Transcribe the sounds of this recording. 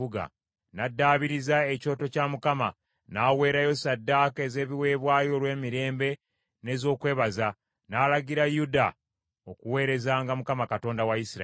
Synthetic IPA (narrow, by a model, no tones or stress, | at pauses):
uɡa̰ | nadːaːβiɾizaeco̞ːto̞camukama | naːwe̞ːɾajo̞sadːaːke̞ze̞ːβiwe̞ːβwaːjo̞lwe̞ːmiɾe̞ːmbe̞ | ne̞zo̞ːkwe̞ːβaza | naːlaɡiɾajuda | o̞kuwe̞ːɾe̞zaːŋɡamukamakato̞ːndawajisiɾa